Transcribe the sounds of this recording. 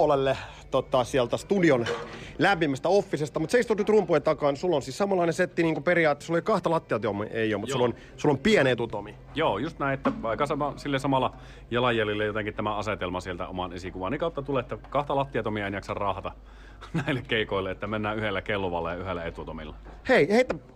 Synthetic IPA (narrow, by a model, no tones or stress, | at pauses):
lelːe | t̪ot̪ɑsiælt̪æst̪udionlæmpimæst̪æofːisest̪ɑmut̪seist̪ut̪yt̪rumpuet̪ɑkɑnsulːonsiːsɑmɑlːˑɑˑineset̪ːiniːŋkuperiɑːt̪ːe̥sulolikɑht̪ɑlɑt̪ːiɑt̪omḭʔeiomut̪ulːon | sulːompienet̪ut̪omi | joːjust̪næˑĩet̪ːæʋɑikːˑɑsɑmɑsilːesɑmɑlːˑɑ | jɑlɑjjælilːejot̪eŋkit̪t̪æmæɑset̪elmɑsielt̪æ̰o̰mɑnesikuʋɑ̰ːnikɑˑut̪ːɑt̪uleet̪ːækɑht̪ɑlɑt̪ːiɑt̪omiɑenjɑksɑrrɑhɑt̪ɑ | næilːekkeikoˑilːeet̪ːæmenːæːyhelːækelːoʋɑ̰lːɑjɑyhelːæet̪ut̪omḭlːɑheiheˑit̪ːæ